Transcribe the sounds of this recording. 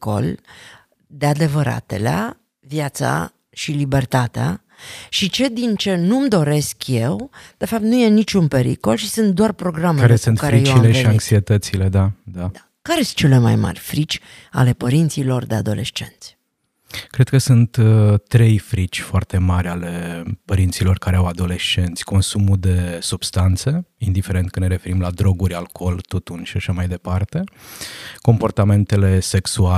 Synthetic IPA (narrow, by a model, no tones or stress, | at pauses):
ko̞̰l | d̪e̞ad̪e̞vəɾa̰t̪e̞̰lea̰ | vjat̪sa̰ | ʃilibe̞rt̪at̪ea̰ | ʃit͡ʃe̞d̪int͡ʃe̞numd̪o̞ɾe̞skje̞wd̪̥e̞fap̚t̪nuje̞nit͡ʃunpe̞ɾḭko̞lʃisɨnt̪̚d̪oarpɾo̞ɡɾamekaɾesunt̪kaɾeijewialeʃiaŋksiet̪ət̪sile̞d̪ad̪aa | kaɾesɨt͡ʃe̞le̞ma̰jma̰rʲfɾit͡ʃʲ | a̰le̞pəɾint̪silo̞rd̪e̞a̰d̪o̞leʃt͡ʃe̞̰nt̪sʲ | kɾed̪̚kəsunt̪ːɾe̞jfɾit͡ʃʲfoart̪e̞maɾʲale̞pəɾint̪silo̞rkaɾeawad̪o̞le̞ʃt͡ʃe̞nt̪sʲko̞nsumud̪e̞subst̪ant̪se̞ind̪ifeɾe̞nt̪̚kɨneɾe̞fe̞ɾimlad̪ɾo̞ɡuɾʲalkʰo̞lt̪ut̪unʃiaʃamajd̪e̞part̪e̞ | ko̞mpo̞rt̪ame̞nt̪e̞le̞se̞ksua